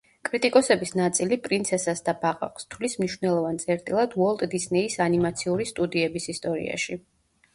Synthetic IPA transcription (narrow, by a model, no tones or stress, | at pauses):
kʼɾit̪ʼikʼɔsɛbisnat̪sʼilipʼɾint̪sʰɛsasd̪abaʁʼa̰qʼst̪ʰvlismniʃwvnɛlˠɔvant̪sʼɛɾt̪ʼilˠad̪uɔlˠt̪ʼd̪isnɛisanimat̪sʰiuɾist̪ʼud̪iɛbisist̪ʼɔɾḭa̰ʃi